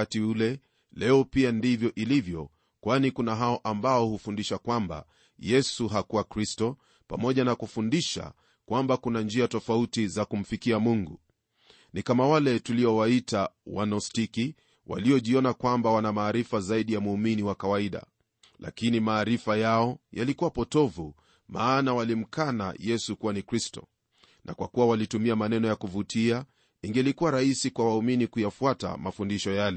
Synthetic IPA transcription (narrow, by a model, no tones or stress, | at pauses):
atiulɛ | lɛɔpiandivjɔʔilivjɔ | kwanikunaɦaɔʔambaɔhufundiʃakwamba̰ | jɛsuɦakuwakɾistɔ | pa̰mɔʄanakufundiʃa̰ | kwambakunand͡ʒiatɔfautizakum̩fikiamuŋɡu | nikamawalɛtuliɔwaitawanɔstiki | wʔa̰liɔʄiɔnakwambawanamaːɾifazaiɗijamuːminiwakawaiɗa̰ | lʔa̰kinimaːɾifajaɔja̰likuwapɔtɔvu | maːnawalim̩kana̰jɛsukuwanikɾistɔ̰ | nʔa̰kwakuwawalitumiamanɛnɔjakuvutʰia | iŋɡɛlikuwaɾahisikwawauminikujafuata̰mafundiʃɔjalɛ